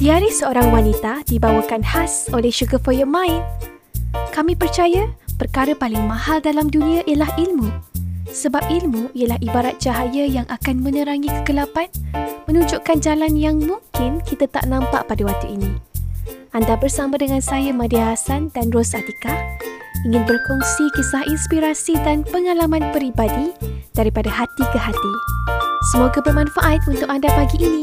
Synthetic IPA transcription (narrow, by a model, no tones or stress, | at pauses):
d̥iaɾihsəoɾaŋwanit̪adibawəkanhasolɛhʃuɡəfəjəmãɪn | kamĩpərt͡ʃajəpərkaɾəpalɪŋmãhaldalamdunĩãʔijəlahilmũsəbap̚ilmũijəlahibaɾat̪̚d͡ʒaɦajəjaŋʔakanmə̃nə̃ɾaŋĩkə̥kəlapanmə̃nũɲd͡ʒʊʔkand͡ʒalanjaŋmũŋkɪnkit̪at̪a̰ʔnãmpa̰ʔpadawat̪uinĩ | ʔandabərsamadəŋãnsajamãdiɦasandanrɔsat̪ika | iŋɪ̃nbərkɔŋsikisahinspiɾasidanpəŋalamãnpəɾibadid̥aɾipadaɦat̪ikəɦat̪i | səmoɡabərmãnfaʔat̪̚unt̪ʊk̚andapaɡiʔːnĩ